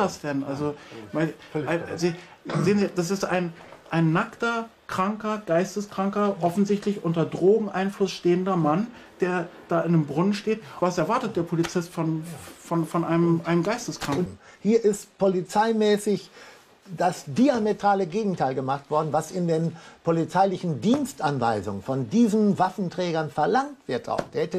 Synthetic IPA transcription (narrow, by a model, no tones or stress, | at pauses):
asd̥ɛnnʔa̰lzoma | zi | zeːənziːd̥as̬ɪsta̰ɪnʔaɪnːaktɐkʁ̥aŋkɐɡ̥aɪstəskʁ̥aŋkɐʔɔfn̩zɪçtlɪçʔʊntɐdʁoːɡŋ̩ʔaɪnflʊsʃteːəndɐman | d̥eːɐd̥aːɪndeːmbʁʊnənʃteːtvasɛɐvaɐtət̚d̥eːɐpʰolit͡sɪstfɔnfɔnfɔnʔaɪnəmʔaɪnəmɡaɪstəskʁ̥aŋ̩hiːɐʔɪstpolit͡saɪmɛːsɪç | d̥asd̥iametʁ̥aːləɡeːɡŋ̩tʰaɪlɡəmaχtv̥ɔɐdn̩vasɪndeːnpʰolit͡saɪlɪçn̩diːnstʔanva̰ɪzʊ̰ŋənfɔndiːzn̩vafn̩tʁ̥ɛːɡɐnfɛɐlaŋtv̥ɪɐta̰ʊxd̥eːɐhɛtə